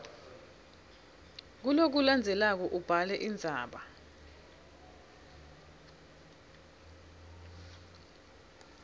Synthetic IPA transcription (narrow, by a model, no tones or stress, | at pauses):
k̬ulok̬uland͡zʱɛlak̬ɔʔub̥ʱalɛʔind͡zʱaːɓa